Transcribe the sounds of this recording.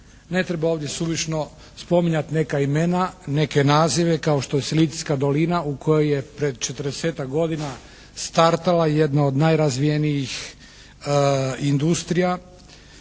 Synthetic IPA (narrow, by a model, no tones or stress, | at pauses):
ne̞t̪ɾebaoːʋd̪je̞suʋit͡ʃno̞ | spo̞miɲat̪ne̞kaime̞nane̞ke̞naːziʋe̞kao̞ʃt̪o̞jeselit̪i̥skad̪o̞linaukʰo̞joje̞pɾed̪t͡ʃe̞t̪əɾd̪eseːt̪akɡo̞d̪ina | st̪aɾt̪alajed̪naod̪najɾazʋijenijix | ind̪ust̪ɾija